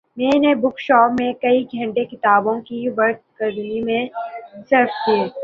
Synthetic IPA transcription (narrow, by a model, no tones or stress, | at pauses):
mɛ̃ːnebʊkʃɔːpmẽkɐiɡʱɐ̃ɳʈekɪt̪aːbõkiʋɐɾt̪kɐɾnimẽsɐɾfd̪eː